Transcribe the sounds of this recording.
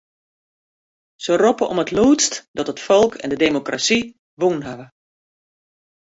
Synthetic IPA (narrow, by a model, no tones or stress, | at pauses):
sərɔpəʔɔ̰mətluːtstdɔtətfɔlˠkʰɛ̰ndədeːmokra̰si | ʋunɦaʋə